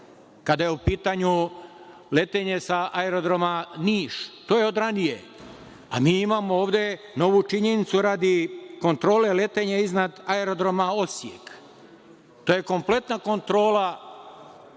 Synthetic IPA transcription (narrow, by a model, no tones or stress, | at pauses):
kad̪ajeupiːt̪aɲu | le̞t̪eɲe̞saʔaeɾo̞d̪ɾo̞maniːʃt̪oːjeo̞d̪ɾanije | a̰miːimamo̞o̞ːʋd̪e̞ | no̞ʋut͡ʃiɲe̞nit̪suɾaːd̪iko̞nt̪ɾo̞ːle̞le̞t̪eɲeiznad̪aeɾo̞d̪ɾo̞mao̞sje̞̰k | t̪oːje̞ko̞mple̞t̪nako̞nt̪ɾo̞ːla